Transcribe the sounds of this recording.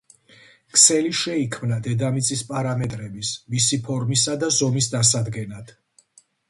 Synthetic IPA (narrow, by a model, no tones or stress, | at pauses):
kʰʼsɛliʃɛikʰmnad̪ɛd̪amit̪sʼispʼaɾamɛt̪ʼɾɛbismisipʰɔɾmisad̪azɔmisd̪asad̪ɡɛnad̪̥ʰ